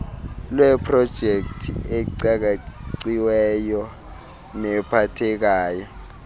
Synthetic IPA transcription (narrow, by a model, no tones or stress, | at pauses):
lwɛpʰrɔd̥ʒ̥ʱek̚tʰḭeǀak̬aǀiwɛjɔ | nɛpʰatʰɛk̬aːjɔ